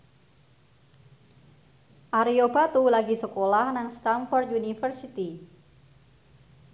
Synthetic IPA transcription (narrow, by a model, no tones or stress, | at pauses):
ʔaɾiobat̪ulaɡisəkolahnaŋst̪anfɔrt̪junifərsit̪i